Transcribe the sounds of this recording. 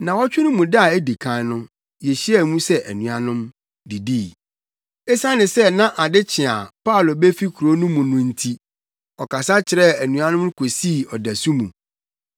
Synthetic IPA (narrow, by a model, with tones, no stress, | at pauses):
nã˨wɔ˦t͡ɕᶣʊ˦ʊ̃˦mũ˨da˦˨e˦di˨kʰã˦nʊ̃˦ | je˨ɕi˦ɛ˨mũ˦sɛ˦ʔæ˨nũ˨a˨nʊ̃˦m | di˨diː˦˨ | ɛ˦sã˦nɪ̃˨sɛ˦nã˦ʔa˨dɪ˦t͡ɕʰɪ̃˨a̰˨pʰa˦˨lo˨bɛ˦fi˦kʰu˨ɾo˦nũ˦mũ˨nʊ̃˦n̩˦tʰi˦ | ɔ˨ka˨sa˦t͡ɕʰɪ˨ɾɛ˦æ˨nũ˨ã˦nʊ̃˦m˦kʰo˨siː˦˨ɔ˨dæ˨su˦mũ˨